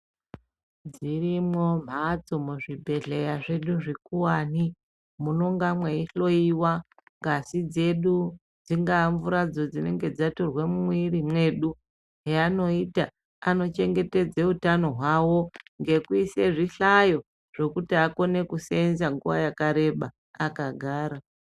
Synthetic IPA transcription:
d͡zirimwo̞m̤at͡so̞muʐibʱe̞ɮe̞jaʐe̞ɗuʐikuwaːni | muno̞ŋɡamweiɬo̞iwa | ŋɡasid͡ze̞ɗu | d͡ziŋɡaɱvuɾad͡zo̞d͡zine̞ŋɡe̞d͡zatorwemumwirimwe̞ɗu | ɦeano̞ita | ano̞t͡ʃe̞ŋɡe̞te̞d͡zeutano̞ɦwawo̞ŋɡe̞kuise̞ʐiɬajo̞ | ʐ̥o̞kutiako̞ne̞kuseenzaŋɡuʋa̰jakaɾe̞ɓaː | kaɡʱaːɾa

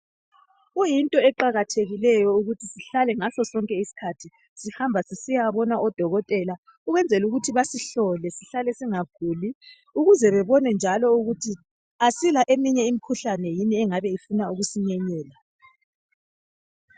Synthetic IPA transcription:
ɣujintʼɔɛǃaɣatʰeɣilɛjɔuɣutʰisiɬalɛŋasɔsɔŋkʼɛisi̥kʰatʰi | sihambʱasisijaβɔnaʔɔd̥ʱɔɣɔtʼɛla | uɣwɛnd͡zʱɛluɣutʰiβasiɬɔlɛsiɬalɛsiŋaɡ̥ʱuːli | uɣuzɛβɛβɔnɛnd͡ʒʱalɔuɣutʰi | asilaʔemiɲɛimikʰuɬanɛjiniɛŋaβɛifunauɣusiɲɛɲɛːla

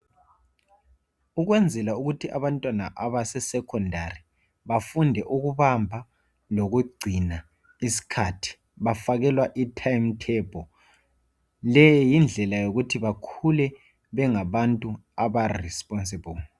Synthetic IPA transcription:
uɣwɛnd͡zʱɛlauɣutʰiʔaβantʼwanaʔaβasɛsɛkʰɔndʱari | βafundʱɛʔuɣuβambʱa | loɣuɡ͡ǀʱina | isi̥kʰatʰi̥ | βafaɣɛlwaʔitʰajmtʰɛb̥ʱɔ | lɛjɔjind͡ɮʱɛlajoɣutʰiβakʰulɛ | βɛŋaβantʼuaβarɛspʼɔnsebul

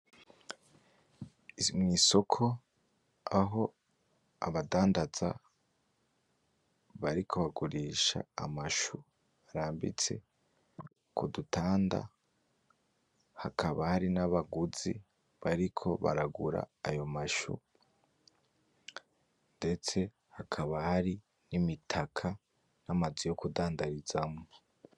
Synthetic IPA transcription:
imŋiːso̞kʰo̞ | aɦo̞ | a̰βadaːndaza | βaɾikʰo̞βaɡuɾiːʃa̰ːmaʃu | βaɾaːmbḭt͡se̞̰ | kʰudutaːnda̰ | hakʰaβahaɾinaβaɡuzi | βaɾikʰo̞βa̰ɾaɡuɾa̰ːjo̞maʃṵ | nde̞t͡se̞ | hakʰaβahaɾi | nimitʰakʰa | namazijo̞kudaːndaɾizamo

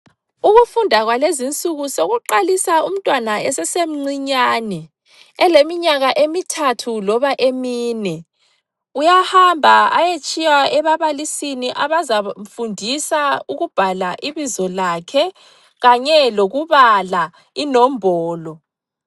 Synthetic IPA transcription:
uɣufundʱaɣwalezint͡sʼuɣusoɣuǃalisaum̩tʼwanaɛsɛsem̩ŋ͡ǀiɲaːnɛ | ɛlemiɲaɣaʔemitʰatʰulɔβaʔemiːnɛ | ujahambʱaajet͡ʃʼijaɛβaβalisiniʔaβazamfundʱisauɣub̥ʱalaʔiβizɔlakʰɛ | ɣaɲɛloɣuβala | inɔmbʱɔːlɔ

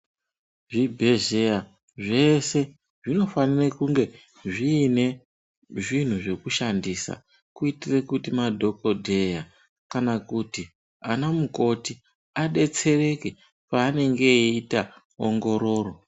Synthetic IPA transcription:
ʐibʱe̞ʒea | ʐe̞se̞ | ʐino̞fanirakuŋɡe̞ | ʐiːne̞ | ʐin̤uʐe̞kuʃandisa̰ | kuitire̞kutimadʱo̞ko̞dʱe̞ja | kanakuti | anamuko̞ti | aɗe̞t͡se̞re̞ke̞ | paːne̞ŋɡe̞ita | o̰ŋɡo̞ɾo̞ːro̞

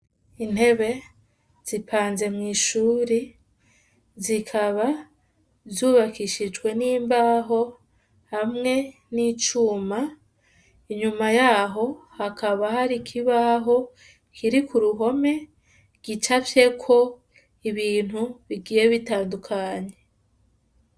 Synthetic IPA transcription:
in̥he̞βe̞ | z̥ipʰaːnze̞mŋiːʃuːɾi | zikʰaβa | zuβakiʃid͡ʒwe̞niːmbaɦo̞ | hamŋe̞ | nit͡ʃuːma | iɲumajaːɦo̞hakaβahaɾikʰiβaɦo̞ | kʰiɾikuɾuɦo̞me̞ | ɡ̥it͡ʃafje̞kʰo̞ | iβiːn̥huβiɡiːje̞βitaːndukʰaːɲe̞

